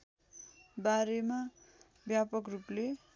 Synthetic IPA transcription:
baɾema | bjapʌkruple

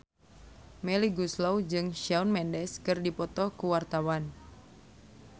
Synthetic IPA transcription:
mɛliɡuslowd͡ʒɨŋʃaunmɛndɛskɨrdipɔt̪ɔkuwart̪awan

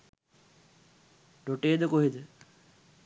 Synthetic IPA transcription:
ɖoʈeːd̪əkoɦid̪ə

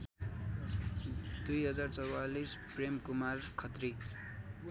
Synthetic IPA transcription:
d̪ujɦʌd͡zart͡sʌwalispremkumarkʰʌt̪ri

